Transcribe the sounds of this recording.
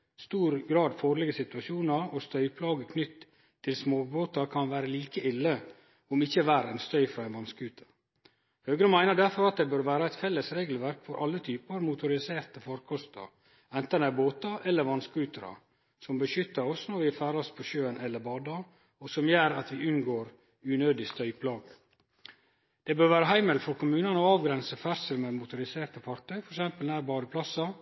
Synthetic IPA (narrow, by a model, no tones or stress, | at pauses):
st̪uːɾɡɾɑːd̪foːɾɭɪɡəsɪt̪ʉɑʃuːnɑɾɔst̪œʏpʰlɑːɡəkʰnʏt̪ʰː | ɪlsmoːboːt̪ɑɾkʰɑnʋæːɾəliːkəɪlːə | ɔmɪçːəʋæːɾɛnst̪œʏfɾɑɛnʋɑnskʉːt̪ʰə̥ɾ | høːɡɾəmæɪnəɖæɾfɔɾɑt̪̚d̪ɛːbøːɾʋæːɾəæɪt̪fɛlːəsɾeːɡl̩ʋæɾkfɔɾʔɑlːət̪ʰyːpəɾmʊt̪ʊɾɪseːɾt̪əfɔɾkʰɔst̪ɑ̰ɾ | ɛnt̪ənæboːt̪ɑʔɛlːəɾʋɑnskʉːt̪əɾɑ̰ | sɔmbəʃʏt̪ːɑɾɔsnɔɾʋɪfæːɾɑspʰɔʃøːənɛlːəɾbɑːd̪ɑ | ɔsɔmjæːɾɑt̪ʋɪʔʉnɡoːɾ | ʉːnøːd̪ɪst̪œʏpʰlɑːɡə | d̪̥ɛbøːɾʋæːɾəɦæɪməlfɔɾkʰʊmʉːnɑnəɔɑːʋɡɾɛnsəfæɾsəlmɛmʊt̪ʊɾɪseːɾt̪əfɑɾk̚t̪ʰœʏfɔɾɛksɛmpəlnæːɾbɑːɾəpʰlɑsɑ